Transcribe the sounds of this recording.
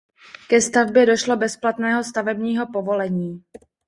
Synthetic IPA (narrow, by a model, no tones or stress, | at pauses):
kɛst̪avbjɛdo̞ʃlo̞bɛsplat̪nɛːɦo̞st̪avɛbɲiːɦopo̞vo̞lɛɲiː